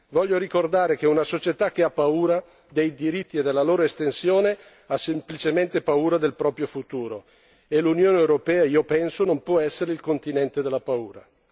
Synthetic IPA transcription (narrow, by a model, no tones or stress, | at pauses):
vɔʎːoɾikord̪aːɾek̟eunasot͡ʃet̪ak̟eapːauːɾa | d̪ejd̪iɾit̪ːied̪elːaloːɾoest̪ensjoːne | asːemplit͡ʃement̪epauːɾad̪elpɾɔːpɾjofut̪uːɾo | elunjoːneewɾopɛːaiːopɛnsonompwɔɛsːeɾeilkont̪inɛnt̪ed̪elːapauːɾa̰